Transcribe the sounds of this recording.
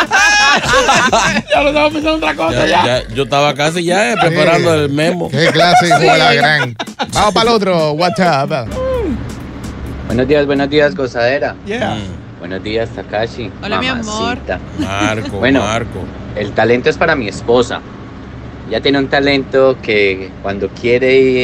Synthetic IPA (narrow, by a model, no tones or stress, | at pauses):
d͡ʒalost̪amapensand̪ot̪ɾakosaaaad͡ʒot̪aβakas̬iʝapɾepaɾand̪oelmemokeklasielaɣɾaŋbamopalot̪̬ɾowat̪apa | bwenozd̪iazbwenozd̪iazɡo̞saðe̞ɾaa | bwḛnozd̪iast̪akat͡ʃia̰mma̰sit̪aaɾbwenoɾko | e̞lt̪ale̞nt̪oespaɾamiespo̞sa̰ | ɟ͡ʝat̪jeneunt̪ale̞nt̪okekwand̪o̞kʰje̞ɾei